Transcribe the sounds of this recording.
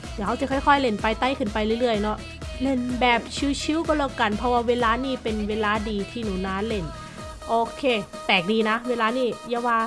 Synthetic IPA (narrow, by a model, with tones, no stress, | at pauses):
d̪i˨˦ha˧˥wt͡ɕa˧˦kʰɔ˥˩jkʰɔ˥˩jle˧˩npa˧jt̪aː˥˩jkʰɯː˧˩˨npa˧jlɯ˥˩˨lɯ˥˩əjnɔ˦˥ | le˧˩nbɛː˨˩p̚t͡ɕʰɯː˦˥t͡ɕʰi˦˥wkɔ˧˩loː˧˩ka˧npʰɔ˦˧waː˧weː˧laː˧niː˥˩pe˧nweː˧laː˧˥diː˧t̪ʰiː˥˩nuː˨˩˦naː˦˥nle˧˩n | ʔoː˧kʰeː˧ | t̪ɛː˨˩k̚diː˧na˦˥weː˧laː˧niː˥˩jaː˧waː˧